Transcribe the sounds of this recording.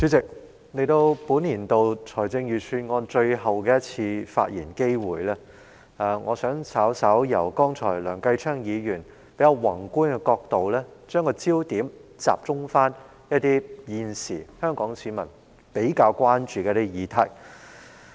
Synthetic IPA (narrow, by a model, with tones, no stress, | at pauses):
sy˨˥t͡sɪ˨k̚ | le˨jt̪o˧wpuː˨˥nliː˨˩nt̪o˧wt͡sʰɔː˨˩jt͡sɪ˧ŋjyː˨˩t͡ʃʰyː˧nŋɔː˧nt͡ʃɵ˧ɥɦɐ˨˩wkɛː˧jɐ˥t̚t͡sʰiː˧fa̰ː˧t̚jiː˨˩nke˥jwuː˨˩jlɛː˥ | aː˧ŋʔɔː˨˧sœː˨˥ŋsʰaː˨˥wsɐ˨˥wjɐ˨˩wkɔː˥ŋt͡sʰɔ̰ː˨˩jlœː˨˩ŋkɐ˧jt͡ʃʰœː˥ŋjiː˨˧jyː˨˩n | pe˨˥jɐ˨˧wɐ˨˩ŋkuː˥nkɛ˧kɔː˧k̚t̪o˨wlɛː˥t͡ʃœː˥ŋkɔː˧t͡siː˥wt̪iː˨˥mt͡sa̰ː˨˩p̚t͡sʊ˥ŋfaː˥n | jɐ˥t̚t̪iː˥jiː˧nsiː˨˩hœː˥ŋkɔː˨˥ŋsiː˨˧˥mɐ˨˩n | pe˨˥jkaː˧wkʷaː˥nt͡ʃyː˨kɛ˧˥t̪iː˥jiː˨˧t̪ʰɐ˨˩j